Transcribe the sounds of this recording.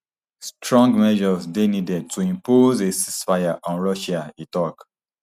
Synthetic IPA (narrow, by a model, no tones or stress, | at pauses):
stɹɔ̃ŋɡmɛʒɔzdenidɛd̚tʰuĩmpozesisfajaʔɔ̃nɹɔʃaitɔk